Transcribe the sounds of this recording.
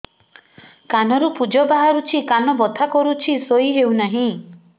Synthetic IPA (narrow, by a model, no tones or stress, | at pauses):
kanɔɾupud͡ʒɔbaɦaɾut͡ʃʰikanɔbɔt̪ʰakɔɾut͡ʃʰisojɦewnaɦĩ